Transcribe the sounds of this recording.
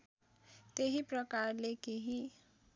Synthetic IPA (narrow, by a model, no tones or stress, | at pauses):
t̪eɦiprʌkarlekeɦi